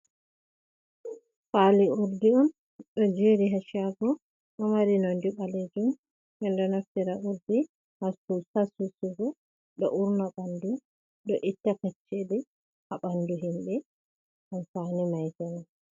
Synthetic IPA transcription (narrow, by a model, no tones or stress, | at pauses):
faliuɾdiɔm | ɗɔd͡ʒeɾiɦaʃaɡɔ | ɗɔmaɾinɔndiɓaled͡ʒum | bɛndɔnaftiɾaʔuɾdi | hasusasusuɡɔ | ɗɔʔuɾnaɓandu | ɗɔʔitːakat͡ʃːeli | haɓanduɦimbɛ | ʔanfanimajtana